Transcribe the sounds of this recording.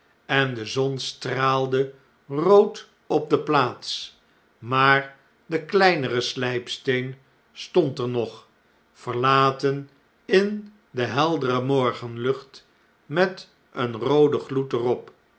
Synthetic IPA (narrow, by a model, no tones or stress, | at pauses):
ɛndəzɔnstraːlˠdə | rowt | ɔp̚dəplaːts | maːɹ | dəklɛjnərəslɛjpstejn | stɔntəɹnɔχ | fəɹlaːtən | ɪn | dəɦɛlˠdərəmɔɹχənlɵχt | mɛt | ənrowdəχlutərɔp